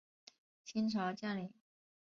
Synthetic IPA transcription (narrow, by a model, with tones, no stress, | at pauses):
t͡ɕʰi˥nʈ͡ʂʰɑ˧˥ʊt͡ɕja˥˩nli˨˩˦